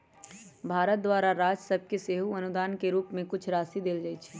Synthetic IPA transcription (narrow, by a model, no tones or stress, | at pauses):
bʱaːɾət̪̚d̪waːɾaɾaːd͡ʒsəb̚keseːɦuɐnʊd̪aːnkeɾuːpmẽkʊt͡ʃʰɾaːsid̪eːld͡ʒaːit͡ʃʰɛ